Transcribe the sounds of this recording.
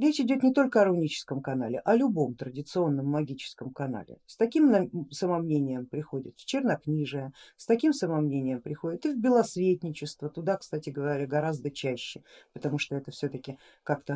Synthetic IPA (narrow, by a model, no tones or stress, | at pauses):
ɾʲet͡ɕɪdʲo̞t̪nʲɪt̪o̞lʲkəɐɾɐnʲit͡ɕɪ̥skəmkɐna̰lʲɪ̰ʔɐlʲʊbo̞mt̪ɾədʲɪt̪sɨo̞nːəmːɐɡʲit͡ɕɪ̥skəmkɐna̰lʲɪ̰st̪ɐkʲimnɐsəmɐmnʲenʲɪjəmpɾʲɪxo̞dʲɪt̪ft͡ɕɪrnaknʲiʐɨjəst̪ɐkʲimsəmɐmnʲenʲɪjəmpɾʲɪxo̞dʲɪt̪ɨvbʲɪlˠɐsvʲet̪ʲnʲɪt͡ɕɪst̪vət̪ʊd̪akst̪atʲɪɡəvɐɾʲaɡɐɾazd̪ət͡ɕæɕːɪpət̪ɐmuʂt̪oɛt̪əfsʲɵt̪əkʲɪ | kakt̪ə